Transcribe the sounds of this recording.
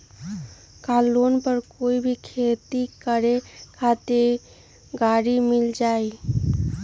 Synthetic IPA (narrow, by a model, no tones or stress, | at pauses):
kaːlːoːnpəɾkoːibʱikʰeːt̪ikəɾekʰaːt̪e | ɡaːɽimɪld͡ʒaːi